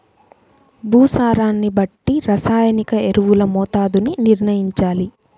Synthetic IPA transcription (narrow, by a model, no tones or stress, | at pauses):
bʱuːsaːɾaːnːibɐʈːiɾɐsaːjɐnikɐeɾuʋulɐmɔːt̪aːd̪uniniɾɳɐjiɲt͡ʃaːli